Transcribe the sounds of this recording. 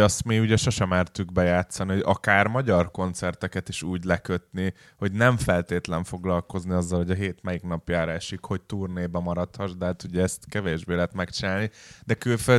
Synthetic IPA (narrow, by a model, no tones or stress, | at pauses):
ɒst̪miuɟɛʃo̞ʃɛmɛrt̪yɡ̚bɛjaːt̪sːɒniɦoɟɒkaːrmɒɟɒrko̞nt̪sɛrt̪ɛkɛt̪iʃuːɟlɛkøt̪ni | ho̞ɟnɛɱfɛlt̪eːt̪lɛɱfo̞ɡlɒlko̞zniɒzːɒlho̞ɟɒɦeːt̪mɛjikn̪ɒpjaːɾɒɛʃikho̞ct̪uːrneːbɛmɒɾɒt̪hɒʒd̪ɛt̪uɟɛɛst̪kɛveːʒbeːlɛɦɛt̪mɛkt͡ʃinaːlnid̪ɛkylfø